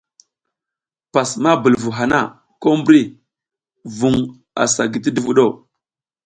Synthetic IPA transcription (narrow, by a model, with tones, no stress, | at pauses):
pa˨sma˦bə˨lvu˨ɦa˨na̰˦˨ | ko˦mbɾi˦˨ | vu˨ŋ | a̰˨sa˨ɡi˨t̬i˦du˦vu˦ɗo˦˨